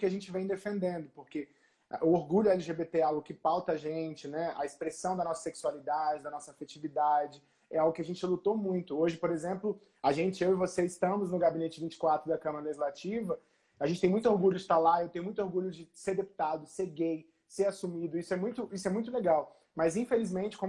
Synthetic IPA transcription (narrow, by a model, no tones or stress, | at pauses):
kɪaʒẽnt͡ʃɪvẽj̃d̪efẽnd̪ẽnd̪ʊpoɾkḛ | ʔʊoɾɡuʎʊɐɛliʒebet̪eawɡʊkɪpawt̪ɐaʒẽt͡ʃɪnɛɐ̰espɾesɐ̃w̃d̪ɐnɔsɐ̥seksualid̪ad͡ʒɪd̪ɐnɔsɐafet͡ʃivid̪ad͡ʒɪ | ɛawɡʊkɪaʒẽnt͡ʃɪlut̪omũj̃t̪ʊoʒɪpoɾezẽmplʊ | aʒẽnt͡ʃɪewɪvoseɪst̪ɐ̃mʊznʊɡabinet͡ʃɪvĩnt͡ʃɪ̥kwat̪ɾʊd̪ɐkɐ̃mɐɾɐleʒizlat͡ʃivɐ | aʒẽt͡ʃɪt̪ẽjmũj̃t̪oɾɡuʎʊd͡ʒɪt̪aɾlaewt̪ẽj̃mũj̃t̪ʊoɾɡuʎʊd͡ʒɪseɾd̪epu̥t̪ad̪ʊseɾɡej | seɾasumid̪ʊisʊɛmũj̃t̪ʊisʊɛmũj̃t̪ʊleɡaw | mɐzĩfelizmẽnt͡ʃɪ̥kõ